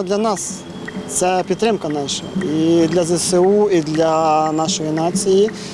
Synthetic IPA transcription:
d̪lʲɐnɑs | t̪sɛpʲid̪t̪ːɾɪmkɐnɑʃɐid̪lʲɐzɛsɛuid̪lʲɐnɑʃɔjinɑt͡sʲiji

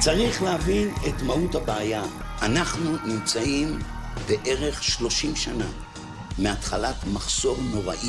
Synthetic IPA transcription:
t͡saʁiχleavine̞tmauthabaːjaː | naχnunimt͡saimbe̞ʔe̞ʁe̞χʃlo̞ʃimʃana̰ | meatχalatmaχso̞ʁno̞ʁa̰ʔi

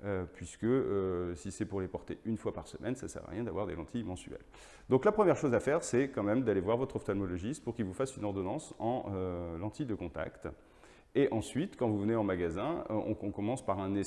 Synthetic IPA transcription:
øpɥiskəøsisɛpuʁlepɔʁt̪eʔynfwapaʁsəmʔɛnsa̰sɛ̰ʁa̰ʁjɛ̃d̪avwaʁd̪elɑ̃t̪ijmɑ̃syɛ̰l | d̪ɔ̃klapχəmjɛʁʃozafɛʁsɛkɑ̃mɛmd̪alevwaʁvɔt̪χɔft̪ɔlmɔlɔʒist̪puʁkʲilvufasynɔʁd̪ɔnɑ̃sɑ̃ølɑ̃t̪ʰid̪əkɔ̃t̪a̰kt̪ | eʔɑ̃sɥit̪kɑ̃vuvəneɑ̃maɡazɛ̰̃ɔ̰̃ɔ̃kɔmɑ̃spaʁɛ̃ne

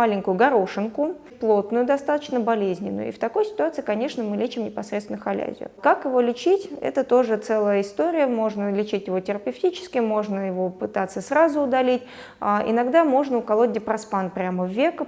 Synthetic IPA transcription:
malʲɪŋʲkʊjʊɡɐɾoʂɨnkʊ | plˠo̞t̪nʊjʊd̪ɐst̪at̪ə̥t͡ɕnəbɐlʲezʲnʲɪnːʊ̰jʊ̰ḭft̪ɐko̞jsʲɪ̥t̪ʊat̪sɨɪkɐnʲe̞ʂnəmɨlʲet͡ɕɪmnʲɪpɐsɾʲet̪st̪ʲɪnəxɐlʲæ̰zʲɪ̰ʊ̰kakjɪvo̞lʲɪt͡ɕitʲɛ̰t̪ət̪o̞ʐɨt̪sɛlˠəjəɪst̪o̞ɾʲɪjəmo̞ʐnəlʲɪt͡ɕitʲjɪvo̞tʲɪɾəpʲɪftʲit͡ɕɪ̥skʲɪmo̞ʐnəjɪvo̞pɨt̪at̪səsɾazʊʊd̪ɐlʲitʲ | aʔɪ̰nɐɡd̪amo̞ʐnəʊkɐlˠodʲɪpɾɐspanpɾʲaməvʲːe̞kə

